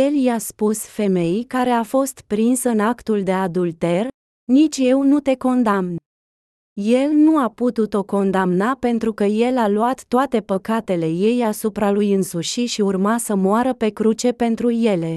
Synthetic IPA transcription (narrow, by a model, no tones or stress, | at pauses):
eljaspusfe̞me̞jkaɾe̞afo̞st̪pɾinsɨnakt̪uld̪e̞ad̪ult̪e̞r | nit͡ʃʲje̞wnut̪e̞ko̞nd̪amn | je̞lnuaput̪ut̪o̞ko̞nd̪amnape̞nt̪ɾukəje̞laluat̪ːoat̪e̞pəkat̪e̞le̞je̞jasupɾalujɨnsuʃiʃiurmasəmoaɾəpe̞kɾut͡ʃe̞pe̞nt̪ɾuje̞le̞